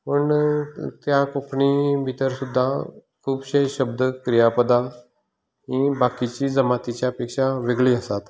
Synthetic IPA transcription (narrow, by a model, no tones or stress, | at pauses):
pəɳt̪jakokʰɳibʱit̪əɾsud̪ʱːa | kʰuːbɕejɕəb̚d̪ʱəkɾijapəd̪a | ɦĩbakit͡ɕiːd͡zəmat̪it͡ɕjaəpekʂaʋeɡɭiːəsat̪